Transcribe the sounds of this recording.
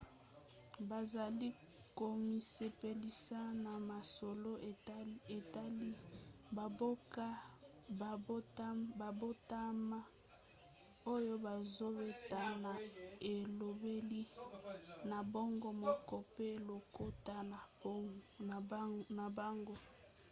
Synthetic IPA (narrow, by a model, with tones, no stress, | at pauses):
ba˨za˨li˦ | ko˨mi˨se˨pe˨li˨sa˦na˨ma˨so˨lo˦˨e˨ta˦li˦ba˨bo˦ka˦˨˦ | ba˨bo˦ta˦ma˦ | o˦jo˦ba˨zo˦be˦ta˨na˨e˨lo˨be˦li˦ | na˨bo˦ŋɡo˦mo˨ko˨pe˦lo˨ko˦ta˦˨ | na˨ba˦ŋɡo˦